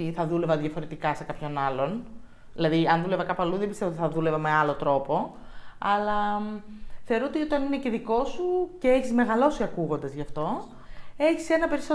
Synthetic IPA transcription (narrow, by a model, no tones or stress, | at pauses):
iθɐðule̞vɐðjʝɐfo̞ɾe̞t̪ikɐse̞kɐpço̞nɐlo̞n | ilɐðiɐnðulevɐkɐpɐluðebist̪eoot̪iθɐðule̞vɐme̞ɐlo̞t̪ɾo̞po̞ɐlɐ | θe̞oɾoot̪io̞t̪ɐnineceðiko̞suceeçizme̞ɣɐlo̞siɐkuɣo̞nd̪ɐzʝɐft̪o̞ | e̞çise̞nɐpe̞ɾiso